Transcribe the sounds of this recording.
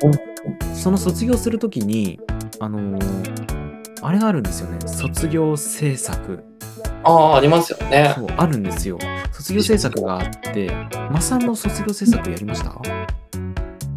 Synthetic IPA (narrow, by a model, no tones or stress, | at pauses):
ɯ̟̃ːɯso̞no̞so̞t͡sɨɡʲo̞ːsɨɾɯ̟t̪o̞kʲiɲ̟iano̞ | aɾe̞ɡaːɾɯ̟̃nd̪e̞sɨjo̞̰ne̞̰so̞t͡sɨɡʲo̞ːse̞ːsakɯ̟̰ | aːaɾʲimasɨjo̞̰neo̞ːʔaɾɯ̟̃nd̪e̞sɨjo̞̰so̞t͡sɨɡʲo̞ːse̞ːsakɯ̟ɡaːt̪ːe̞̰masãnːo̞so̞t͡sɨɡʲo̞ːseːsakɯ̟jaɾʲimaɕi̥t̪a̰